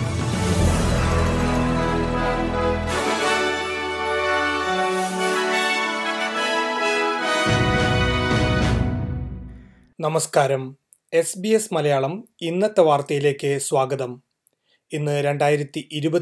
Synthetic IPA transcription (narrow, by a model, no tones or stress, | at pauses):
nɐmɐskaːɾɐm | e̞sbiesmɐlɐjaːɭɐminːɐt̪ːɐʋaːrt̪ɐjile̞ːkːɨswaːɡɐðɐm | inːɨɾe̞ɳɖaːjiɾɐt̪ːiʔiɾubɐ